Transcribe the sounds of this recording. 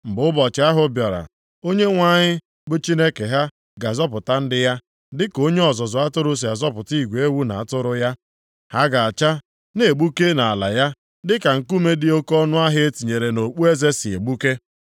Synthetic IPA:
m̩˨bʊ˦bɔ˨t͡ʃɪ˨˦a˦ɦʊ˦bjɔ˨ɾa̰˨ | o˦ɲe˦ŋʷa˦˨ɲɪ˦ | bʊ˦t͡ʃi˦ne˦ke˨ɦa˦ | ɡa˨zɔ˦pʊ˨ta˦n̩˦dɪ˦ja˦ | dɪ˦ko˦ɲe˦ɔ˨zɔ˨zʊ˨a˦tʊ˦ɾʊ˦s̬i˨a˨zɔ˦pʊ˨ti˦˨ɡʷe˦wu˦na̰˨a˨tʊ˦ɾʊ˦ja˦ | ha˦ɡa˨a˨t͡ʃa˦ | ne˨ɡ͡bu˦ke˦na˨a˨la̰˨ja˦ | dɪ˦ka˨ŋ̩˨ku˦me˦dɪ˦o˦kɔ˦nʊ˦a˦ɦɪ˦e˦ti˨ɲe˨ɾe˨no˨k͡pu˦e˦ze˦si˨ḛ˨ɡ͡bu˦ke˦

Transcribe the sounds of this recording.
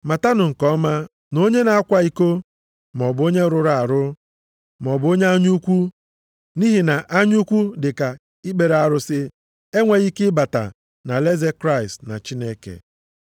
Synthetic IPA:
ma˨ta˦nʊ˨ŋ̩˨kɔ˦ma˦ | no˦ɲe˦na˨a˦kʷa˨i˦ko˦ | mɔ˨bʊ˨o˦ɲe˦ɾʊ˨ɾa˨a˨ɾʊ˦ | m˨ɔ˨bo˦ɲe˦a˦ɲu˦kʷu˦ | ni˦ɦi˨na˨ʔa˦ɲu˦kʷu˦dɪ˨ka˨ | i˦ɡ͡be˨ɾa˨ɾʊ˦sɪ˦ | e˦ŋʷe˨ɣi˦kɪ˦ba˨ta̰˨ | na˨le˦ze˦kɾa˦ɪ˨stna̰˨t͡ʃi˦ne˦kḛ˨

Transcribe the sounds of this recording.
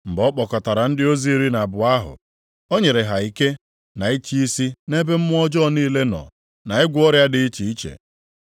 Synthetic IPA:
m̩˨bɔ˦k͡pɔ˨kɔ˨ta˨ɾa˨n̩˦dɪ˦o˦zi˦ɾi˦na˨bʊ˨a˦ɦʊ̰˨ | o˦ɲe˨ɾe˨ɦa˨i˨ke˦ | na˨i˦t͡ʃi˦i˦si˦ne˦be˦m̩˦mʊ˦ɔ˦d͡ʒɔ˦˨niː˦˨le˦nɔ̰˨ | na˨ɪ˦ɡʷʊ˦ɔ˦ɾja˦dɪ˨i˦t͡ʃi˨i˦t͡ʃḛ˨

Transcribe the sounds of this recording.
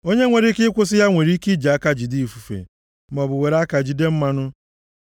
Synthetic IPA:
o˦ɲe˦ŋʷe˨ɾi˦kɪ˦ɪ˦kʷʊ˦sɪ˦ja˦ŋʷe˨ɾi˦ki˦d͡ʒa˨a˦ka˦d͡ʒi˨di˦i˨fu˨fḛ˨ | m̩˨ɔ˨bʊ˨we˨ɾa˦ka˨d͡ʒi˨de˦m̩˦ma˦nʊ˦

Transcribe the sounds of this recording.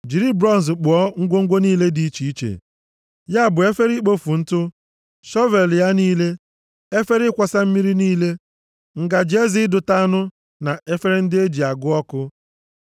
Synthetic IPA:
d͡ʒi˨ɾi˦bɾɔ˦n̩˨zk͡pʊ˨ɔ˦ŋ̩˦ɡʷo˦ŋ̩˦ɡʷo˦niː˦le˦di˨i˦t͡ʃi˨i˦t͡ʃḛ˨ | ja˦˨bʊ˨e˦fe˦ɾi˦k͡po˦fu˨n̩˦tʊ˦ | ʃɔ˦ve˨lja˦niː˦le˦ | e˦fe˦ɾɪ˦kʷa˨sa˦m̩˦mi˦ɾi˦niː˦le˦ | ŋ̩˨ɡa˨d͡ʒe˦zi˦dʊ˨ta˦nʊ˦ | na˨e˦fe˦ɾɪ˦n̩˦dɪ˦e˦d͡ʒi˨a˨ɡʊ˦ɔ˦kʊ˦

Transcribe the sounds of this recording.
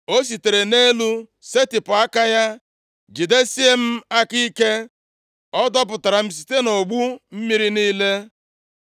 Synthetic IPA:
o˦s̬i˨te˨ɾe˨ne˦lu˦ | se˦tɪ˨pʊ˨a˦ka˦ja˦ | d͡ʒi˨de˦si˦e˦m̩˦a˦ki˦ke˦ | ɔ˦dɔ˦p̬ʊ˨ta˨ɾa˨m̩˨s̬i̥˨te˦no˨ɡ͡bu˦m̩˦mi˦ɾi˦niː˦le˦

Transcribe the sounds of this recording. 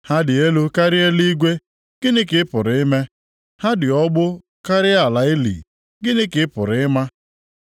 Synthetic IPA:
ha˦dɪ˨e˦lu˦ka˦ɾɪ˦e˦li˦ɡʷe˦ | ɡ̥ɪ˦nɪ˦kɪ˨˦ɪ˦pʊ˨ɾɪ˨ɪ˦me˦ | ha˦dɪ˨ɔ˦ɡ͡bʊ˦ | ka˦ɾɪ˦a˨la˨ɪ˦lḭ˨ | ɡɪ˦nɪ˦kɪ˨ɪ˦pʊ̰˨ɾɪ˨˦ɪ˦ma˦

